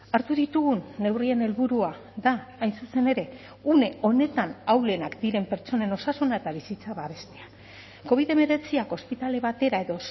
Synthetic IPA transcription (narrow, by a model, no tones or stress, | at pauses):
aɾt̪uðit̪uɣunːe̞wrie̞ne̞lβuɾua | ðaːjnsuse̞ne̞ɾe̞ | une̞o̞ne̞t̪anawle̞nakd̪iɾe̞mpe̞ɾt͡ʃo̞ne̞no̞sasunae̞t̪aβ̞isit͡saβaβe̞st̪e̥a | ko̞β̞iðe̞me̞ɾe̞t͡siako̞spit̪ale̞β̞at̪e̞ɾae̞ðo̞